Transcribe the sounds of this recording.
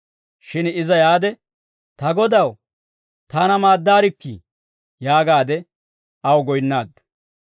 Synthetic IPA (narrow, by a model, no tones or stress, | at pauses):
ʃɪnɪzɐjaːd̪ɛ | t̪ɐɡɔd̪ɐw | t̪aːnɐmaːd̪ːaːɾɪkːḭ | jaːɡaːd̪ɛ | ɐwɡɔjnːaːd̪ːʊ̥